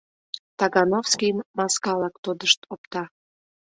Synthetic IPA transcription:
t̪ɑɡɑnofskiəmmɑskɑlɑkt̪od̪əʃt̪op̚t̪ɑ

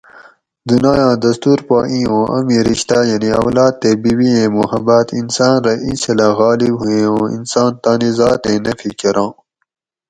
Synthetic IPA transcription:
d̪unaːjɑ̃ːd̪ɐst̪uːɾpaːʔĩːõːʔɐ̰mĩɾiɕt̪aːjɐniɐ̰wlaːd̪̚t̪ebiwiẽːmuhɐbaːt̪insaːnɾɐʔĩnsɐlaɣɑːlibɦuẽːõːḭnsɑːnt̪aːnizɑːt̪ẽːnɐfʰikɐɾɑ̃ː

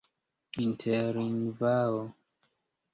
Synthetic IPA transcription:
intʰɛɾinvao

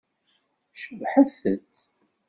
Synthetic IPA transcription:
ʃəvħaθət͡sː

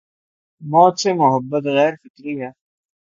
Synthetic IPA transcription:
mɔːt̪semʊɦəbːət̪ɣɛːɾfɪkɾiɦɛː

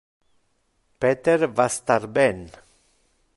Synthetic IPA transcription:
peːt̪əɾvast̪aɾbɛn

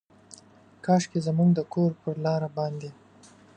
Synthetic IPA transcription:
kɑʂkezamuŋɡd̪əkʰoɾpəɾlɑɾabɑnd̪e

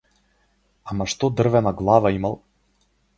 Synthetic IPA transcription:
amaʃt̪ɔd̪r̩vɛnaɡlˠavaimalˠ

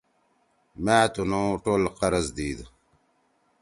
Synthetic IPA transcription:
mæːt̪unõːʈoːlqɐɾəzd̪iːd̪

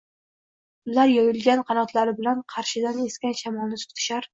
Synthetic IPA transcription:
ʊlaɾjɒjɪlɡʲanqʰɑnɒt̪ʰlaɾɪbɪlanqʰɑɾʃɪd̪aneskʲanʃamɒlˠnɪt̪ʰʊ̥t̪ʰɪ̥ʃaɾ

